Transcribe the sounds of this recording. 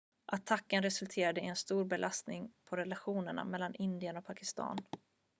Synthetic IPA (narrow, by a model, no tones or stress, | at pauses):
ʔat̪ʰakːənɾɛsɵlt̪ʰeːɾad̪əɪɛnst̪uːɾbɛlʔast̪nɪŋpʰɔɾɛlaɧuːnəɳa̰mɛlːanʔɪnd̪ɪənɔk̚pʰakɪst̪ɑ̰ːn